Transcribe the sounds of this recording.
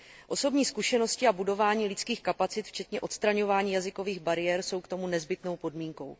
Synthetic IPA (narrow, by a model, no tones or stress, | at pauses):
ʔo̞so̞bɲiːskuʃɛnoscɪabudo̞vaːɲiːlɪt͡skiːxkapat͡sɪt̪ft͡ʃɛt̪ɲɛʔo̞t̪st̪ɾaɲo̞vaːɲiːjazɪko̞viːɣbaɾɪjɛɾso̞wkt̪o̞munɛzbɪt̪no̞wpo̞dmiːŋko̞̰w